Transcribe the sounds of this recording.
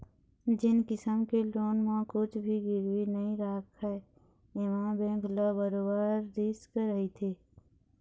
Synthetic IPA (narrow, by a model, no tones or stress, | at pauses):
d͡ʒɪnkɪsəmkeloːnmãkʊt͡ʃʰbʱiɡɪɾwinəɦĩɾaːkʰɦɛː | ɪʋãːbẽɡʱlabəɾoːbaːɾːiːskəɾəɦit̪ʰeː